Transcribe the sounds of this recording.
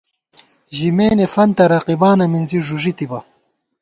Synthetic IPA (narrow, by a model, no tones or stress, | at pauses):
ʑimeːnefɐnt̪ɐɾɐqibaːnɐminziʐuʐit̪ibɐ